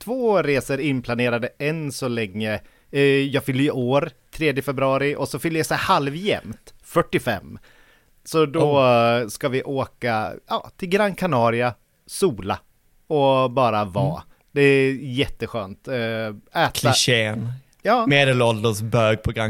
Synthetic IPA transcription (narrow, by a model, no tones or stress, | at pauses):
t̪ʰvoːɾeːsəɾɪnːpʰlaneːɾad̪əɛnsɔlɛŋːə | jɑːɡfʏlːəjəʔoːɾt̪ʰɾeːd̪jəfɛbɾɵɑːɾɪʔɔsɔfʏlːəjasɛhalvjɛ̰mt̪fœʈːɪfɛ̰mː | sɔd̪ɔskavɪʔoːkajɑ̰ːt̪ʰɪlɡɾanːkʰanɑːɾɪa | suːla | ɔbɑːɾavɑ̰ː | d̪ɛæjɛt̪ːəɧøːnt̪ | ɛːtk̪ʰlɪaɕeːn | jɑːmeːd̪ɛlɔld̪əsbøːɡ̚pʰɾʊɡɾam